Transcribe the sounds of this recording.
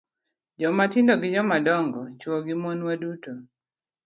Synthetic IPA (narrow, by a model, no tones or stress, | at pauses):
d͡ʒɔmatɪndɔɡɪd͡ʒɔmadɔŋɡɔt͡ʃwɔɡɪmɔnwaduto